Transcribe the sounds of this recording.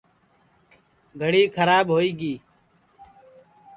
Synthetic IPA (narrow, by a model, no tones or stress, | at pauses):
ɡʱəɽiːkʰəɾaːbɦoːiːɡiː